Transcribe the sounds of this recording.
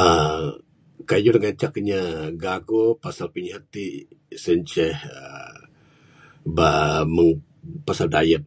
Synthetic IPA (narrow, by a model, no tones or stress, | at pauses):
ə | kajuɾŋat͡ʃakɲaɡaɡopasalpiɲhat̪isəɲt͡ʃɛhə | baməŋ | pasaldajət̪̚